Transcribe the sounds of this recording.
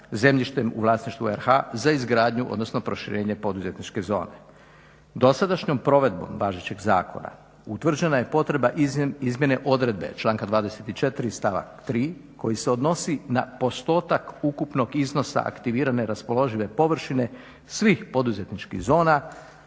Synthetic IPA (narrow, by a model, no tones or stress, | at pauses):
ze̞mʎiʃt̪emṵʋlˠaːsniʃt̪ʋueɾxazaizɡɾaːd̪ɲuʔo̰d̪no̞snopɾo̞ʃiɾe̞ːɲe̞po̞d̪uze̞t̪nit͡ʃke̞zo̞̰ːne̞̰ | d̪o̞sad̪aʃɲo̞mpɾo̞ʋe̞d̪̚bo̞̰mʋaːʒet͡ɕe̞ɡza̰ːkʰo̞̰na̰ | ut̪ʋr̩d͡ʑe̞naje̞po̞t̪ɾe̞baʔizmʲje̞ne̞ʔo̞d̪ɾe̞d̪be̞̰t͡ʃlˠaːŋkad̪ʋaːd̪e̞se̞t̪it͡ʃe̞t̪ɾist̪aʋa̰kt̪ɾiː | ko̞jiseod̪no̞sina̰po̞st̪o̞ːt̪akukupno̞ɡizno̞sa̰a̰kt̪iʋiːɾane̞ɾaspo̞lo̞ʒiʋe̞po̞ʋr̩ʃine̞ | sʋixpo̞d̪uze̞t̪nit͡ʃkḭɣzo̞ːna